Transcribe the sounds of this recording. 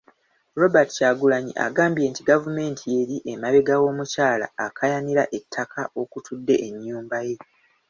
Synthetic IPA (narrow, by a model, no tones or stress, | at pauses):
ɾo̞batu̥caːɡulaɲḭʔa̰ɡaːmbije̞ːntiɡavume̞ːntʰie̞ɾiʔemaβe̞ɡawo̞ːmucaːla̰ːkʰajaniɾaʔetʰːakʰaʔo̞kutʰudːe̞ʔeɲːuːmbaje̞